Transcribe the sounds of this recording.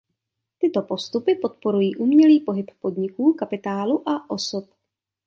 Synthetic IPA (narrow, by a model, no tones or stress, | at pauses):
t̪ɪt̪o̞po̞st̪upɪpo̞t̪po̞ɾujiːʔuːmɲɛliːpo̞ɦɪpːo̞dɲɪkuːkapɪt̪aːluʔaʔosup̚